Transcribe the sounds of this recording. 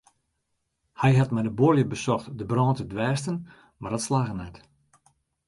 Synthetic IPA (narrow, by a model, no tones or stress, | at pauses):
hɛjɦatmɛjdəboljəbəsɔxtdəbrɔ̃ːntədʋɛːstən | mardɔtslaːɣənɛt